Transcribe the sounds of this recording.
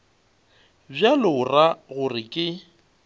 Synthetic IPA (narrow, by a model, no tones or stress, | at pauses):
bjalʊraɣʊrɪkʼɪ